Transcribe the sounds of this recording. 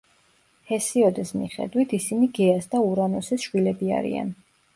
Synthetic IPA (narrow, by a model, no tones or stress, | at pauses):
hɛsiɔd̪ɛsmḭχɛ̰d̪wit̪ʰisiniɡɛasd̪auɾanɔsɛsʃwilɛbia̰ɾḭa̰n